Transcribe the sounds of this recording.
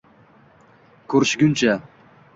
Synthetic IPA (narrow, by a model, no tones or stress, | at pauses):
kʰɵɾɪʃɡʲʊnt͡ʃʰa